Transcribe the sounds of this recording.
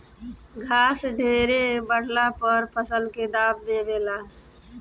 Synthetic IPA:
ɡʱaːsɖʱeːɾebəɽlapəɾpʰəsəlked̪aːb̚d̪eːbeːlaː

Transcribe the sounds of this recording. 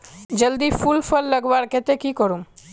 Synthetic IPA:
d͡ʒəld̪ifʰulfʰəlːəɡbaɾket̪ekikɔɾum

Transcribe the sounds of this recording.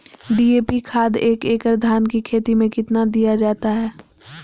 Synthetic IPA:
ɖiːeːpikʰaːd̪eːkeːkəɾd̪ʱaːnkikʰeːt̪imẽkɪt̪nad̪ijad͡ʒaːt̪aɦɛː

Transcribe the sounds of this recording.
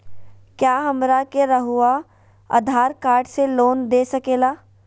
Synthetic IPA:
kjaːɦɐmɾakeɾɐɦʊa | ɐ̰d̪ʱaːɾkaːɾɖseloːnd̪eːsɐkeːlaː

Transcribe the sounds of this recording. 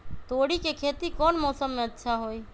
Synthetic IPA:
t̪oɽikekʰet̪ikɔːnmɔsəmːeətːʃʰaɦoi

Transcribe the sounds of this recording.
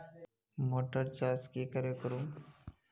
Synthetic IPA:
moʈəɾt͡ʃaːskikəɾekəɾũ

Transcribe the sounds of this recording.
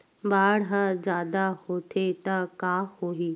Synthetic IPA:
baːɽɦad͡ʒaːd̪ahot̪ʰet̪ɐkaːhoːiː

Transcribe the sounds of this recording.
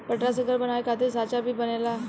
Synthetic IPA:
pəʈɾasəɡəɾbənaʋekat̪esat͡ɕabʱiːbənela

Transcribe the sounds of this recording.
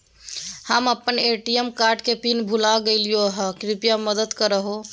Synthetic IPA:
həməpːəneʈiemkaɾɖkepinbʱulaɡeɪlijoɦəkɾipijaməd̪əd̪kəɾəɦo

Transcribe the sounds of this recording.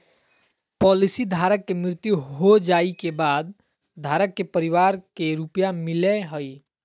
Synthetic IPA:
pɔːlisid̪ʱaːɾəkːemɾɪt̪juɦod͡ʒaːikebaːd̪̚ | d̪ʱaːɾəkːepəɾɪwaːɾkeɾupjamɪleɦəi

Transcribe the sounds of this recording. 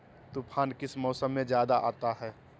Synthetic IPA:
t̪upʰaːnkɪsmɔːsəmːẽd͡ʒjaːd̪aʔa̰ːt̪aɦɛː

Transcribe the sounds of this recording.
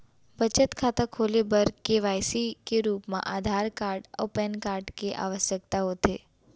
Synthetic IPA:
bət͡ʃət̪kʰaːt̪akʰolebəɾkeʋaːjsikeɾuːpmã̰ʔaːd̪ʱaɾkaːɾɖɔ̰pɛnkaːɾɖkeʔa̰ʋəʃjək̚t̪aɦot̪ʰe

